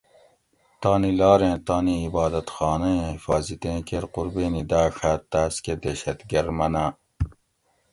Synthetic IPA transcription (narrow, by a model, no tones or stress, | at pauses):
t̪ɑːnilɑːɾẽːt̪ɑːniːbɑːd̪ɐt̪xɑːnɐẽfɑːzit̪ẽːkeɾquɾbeːnid̪aːʂat̪ːaːsked̪eɕɐt̪ɡɐɾmɐnaː